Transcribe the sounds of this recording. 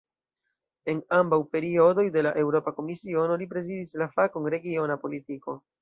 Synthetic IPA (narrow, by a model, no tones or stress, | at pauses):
e̞nambawpe̞ɾio̞do̞jde̞laʔe̞wɾo̞pako̞misio̞no̞lipɾe̞zidislafakonɾe̞ɡio̞napo̞litiko̞